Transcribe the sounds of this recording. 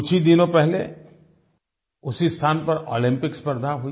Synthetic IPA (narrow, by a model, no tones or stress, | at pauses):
ʊt͡ʃʰid̪ɪnõpɛɦle | ʊsist̪ʰaːnpɐɾo̰ːlɪ̃mpɪkspəɾd̪ʱaɦui